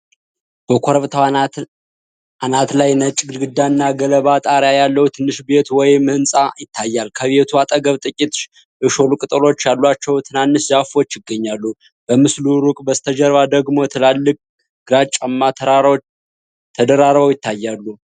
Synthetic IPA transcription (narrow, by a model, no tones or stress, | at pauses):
b̥əkʰoɾβt̪ʰ | anat̪lajnət͡ʃʼːɡɨlɡɨd̪ːanːaɡələβat̪ʼaɾjajalːəhut̪ʰɨnːɨʃbe̞t̪wɔjmːɨhɨnsʼajɪt̪ʰːajːalkʰəβe̞t̪ʰuat̪ʼəɡəβt̪ʼɨkʲʼit̪ʃ | ʔɨʃo̞lukʼɨt̪ʼəlo̞t͡ʃːjalːwat͡ʃːɛwt̪ʰɨnanːɨszafo̞t͡ʃːjɪɡːəɲːalːu | b̥əmɨsluɾukʼbəst̪ʰəd͡ʒəɾβad̪əɡmo̞t̪ʰəlalːɨkʼ | ɡ̥ɨɾat͡ʃʼamːat̪ʰ | t̪ʰəd̪əɾaɾβəwjɪt̪ʰːajːalːu